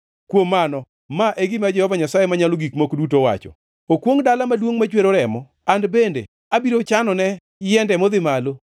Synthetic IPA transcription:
kwomːanɔ | maʔeɡɪmad͡ʒɛhɔvaɲasajemaɲaloɡikmokdutowa̰t͡ʃɔ̰ | okwoŋdalamadwoŋmat͡ʃweɾoɾɛmɔ | andbendḛ | abiɾot͡ʃanɔnɛ | jɛndɛmod̪ɪmalo

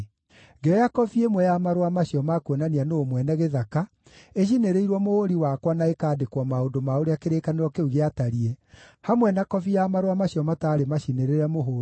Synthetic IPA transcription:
ŋɡeɾɔjakɔfiemwɛjamaɾwamaɕjɔmakwenanianoːmwɛnɛɣeðaka | eɕ̬ineɾeiɾwɔmohoɾiwakwanaekaːdekwɔmaondomaoɾeakeɾekaneɾwɔkeuɣeataɾiɛhamwɛnakɔfijamaɾwamaɕjɔmataːɾemaɕineɾeɾɛmoɦoːɾ

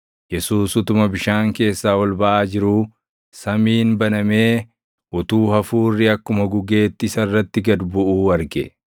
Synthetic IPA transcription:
jɛsuːsʊt̪ʊmɐbɪʃaːŋke̞ːsːaːwɐlbɐʔaːd͡ʒɪɾuː | sɐmiːnbɐnɐme̞ː | ʔʊt̪uːhɐfuːrːɪɐkːʊmɐɡʊɡe̞ːt̪ːɪsɐrːɐt̪ːɪɡɐd̪bʊʔuːwɐɾɡɛ

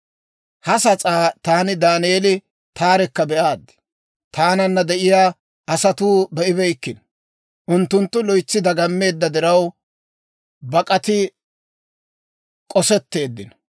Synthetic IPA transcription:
hɐsɐt͡sʼaːt̪aːnɪd̪aːneːlɪ | t̪aːɾɛkːɐbɛʔaːd̪ɪ̥ | t̪aːnɐnːɐd̪ɛʔɪjaː | ɐsɐt̪uːbɛʔɪbɛjkːɪn | ʔʊnt̪ːʊnt̪ːʊlɔjt͡sːɪd̪ɐɡɐmːe̞ːd̪ːɐd̪ɪɾɐw | bɐkʼɐt̪ɪ | kʼɔsɛt̪ːe̞ːd̪ːɪn

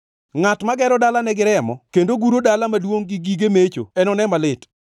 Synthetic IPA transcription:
ŋatmaɡɛɾɔdalanɛɡɪɾɛmɔkendoɡuɾodalamadwoŋɡɪɡiɡemet͡ʃo̰ɛnɔnɛmalɪt

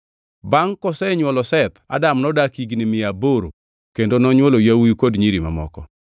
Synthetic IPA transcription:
baŋkɔsɛɲwɔlɔsɛt̪a̰damnɔdakiɡnɪmɪaboɾo̰ | kendonɔɲwolojawujkodɲiɾima̰mɔ̰kɔ

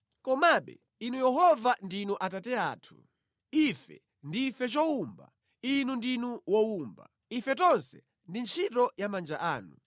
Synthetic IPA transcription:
kɔmaɓɛ̰ | inujɛɦɔvandinuʔatatɛaːtʰu̥ | ifɛ̰ | ndifɛt͡ʃɔumba̰ | inundinuwɔumba̰ | ifɛtɔnsɛ̥̰ | ndint͡ʃʰitɔjamand͡ʒaʔaːnu

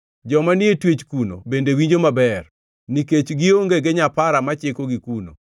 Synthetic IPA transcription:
d͡ʒɔmanɪetwet͡ʃkuno̰bendewiɲd͡ʒomabɛr | niket͡ʃɡɪoŋɡeɡɪɲapaɾamat͡ʃekoɡikuno̰

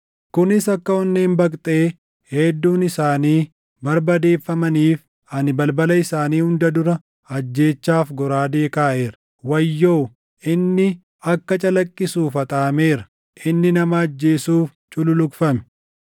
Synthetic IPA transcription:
kʊnɪsɐkːɐɔnːeːmbɐkʼt̪ʼe̞ː | hɛd̪ːuːnɪsaːniː | bɐɾbɐd̪e̞ːfːɐmɐniːf | ɐnɪbɐlbɐlɐɪsaːniːhʊnd̪ɐd̪ʊɾɐ | ɐd͡ʒːe̞ːt͡ʃːaːfɡɔɾaːd̪e̞ːkaːʔe̞ːɾɐ̥ | wɐjːo̞ː | ɪnːɪ | ɐkːɐt͡ʃʼɐlɐkʼːɪsuːfɐt̪ʼaːme̞ːɾɐ̥ | ʔɪnːɪnɐmɐːd͡ʒːe̞ːsuːf | t͡ʃʼʊlʊlʊkfɐmɛ̥

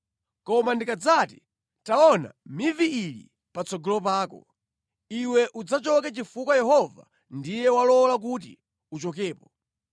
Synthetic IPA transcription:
kɔmandikad͡zati̥ | taɔna̰miviilḭ | pat͡sɔɡɔlɔp̬aːkɔ | iwɛʔud͡zat͡ʃɔkɛt͡ʃifukwajɛɦɔva̰ | ndijɛwalɔlak̬ut̬ḭ | ut͡ʃɔkɛːpɔ

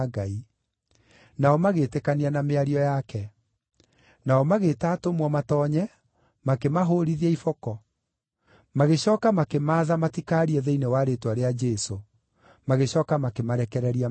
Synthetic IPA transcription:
ɡai | naɔmaɣetekanianameaɾiɔjakɛ | naɔmaɣetaːtomwɔmatɔːɲɛ | makemaɦoɾiðiɛifɔkɔ | maɣeɕɔːkamakemaːðamatikaːɾiɛðeinewaɾetwaɾead͡ʒɛso | maɣeɕɔːkamakemaɾɛkɛɾɛɾia

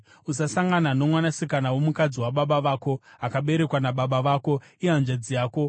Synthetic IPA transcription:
usasaŋɡanano̞mwanasikanawo̞mukad͡ziwaɓaɓaʋaːko̞akaɓe̞ɾe̞kwanaɓaɓaʋaːko̞ianʐed͡zijaːko̞

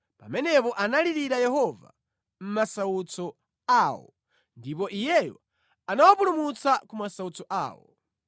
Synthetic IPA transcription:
pa̰mɛnɛpɔʔanaliɾiɾajɛɦɔva̰ | m̩masaut͡sɔ | aːwɔ̰ | ndip̬ɔʔijɛjɔ | anawapulumut͡sakumasaut͡sɔʔa̰ːwɔ̰

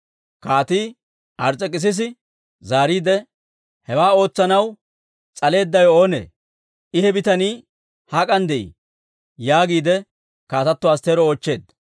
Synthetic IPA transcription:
kaːt̪iː | ʔɐɾt͡sʼɛkʼːɪs̬ɪs̬ɪ | zaːɾiːd̪ɛ | hɛwaːo̞ːt͡sːɐnɐw | t͡sʼɐle̞ːd̪ːɐjo̞ːnḛː | ʔɪhɛbɪt̪ɐniː | hakʼɐnd̪ɛʔḭ | jaːɡiːd̪ɛ | kaːt̪ɐt̪ːɔaːst̪eːɾɔoːt͡ʃːe̞ːd̪

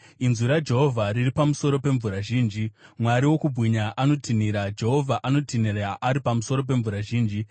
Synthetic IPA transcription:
inzuɾad͡ʒe̞ɦo̞vʱariripamuso̞ɾo̞pe̞ɱvuɾaʒiːnd͡ʒimwaɾiwo̞kubʱwiɲaʔano̞tʰiniɾad͡ʒe̞ɦo̞vʱaʔano̞tiniraʔaɾipamuso̞ɾo̞p̬e̞ɱvuɾaʒiːnd͡ʒi

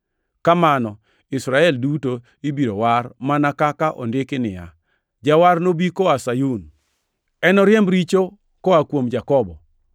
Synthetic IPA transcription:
kamanɔ | isɾaɛlduto | ibiɾowarmanakakaʔɔ̰ndɪkɪnɪja | d͡ʒawarnobikɔasajun | ɛnɔɾjɛmɾit͡ʃo | kɔakwomd͡ʒakɔbɔ

